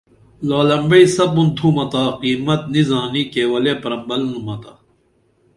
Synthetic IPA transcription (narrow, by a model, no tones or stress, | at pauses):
laːlɐmbɐisɐbunt̪ʰũmɐt̪aːqiːmɐt̪nizãːniːkeːwɐleːpɐɾɐmbɐlnumɐt̪aː